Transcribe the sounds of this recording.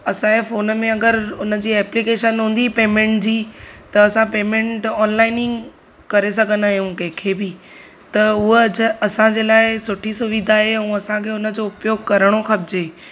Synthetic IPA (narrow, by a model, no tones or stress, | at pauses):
ɐsãefoːnmẽɐɡəɾʊnə̆d͡ʑiːɛːplikeːʃənɦũːn̆d̪ipeːmẽɳʈd͡ʑiːt̪ɐɐsãpeːmẽɳʈɔːnlaːɪnɪ̃ŋɡ | kɐɾesɐɡʱə̃nd̪aːɦjũkɐ̃ɦɪ̃kʰeːbɪ | t̪ɐʊɦɐsãd͡ʑeːlaːɪsʊʈʰisʊʋɪd̪ʱaːɦeɛũɐsãkʰeːʊnəd͡ʑoʊpjoːɡkɐɾəɽ̃oxɐbɪd͡ʑeː